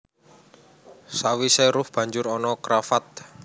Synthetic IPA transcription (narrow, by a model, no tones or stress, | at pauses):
sawisɛɾʊfb̥a̤ɲd͡ʒʊɾɔnɔkɾafat̪̚